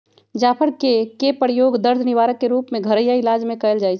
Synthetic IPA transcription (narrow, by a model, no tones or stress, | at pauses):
d͡ʒaːpʰəɾkekepəɾjoːɡd̪əɾd̪ʱnɪʋaːɾəkːeɾuːpmẽɡʱəɾəjaɪlaːd͡ʒmẽkəəld͡ʒaːit͡ʃʰ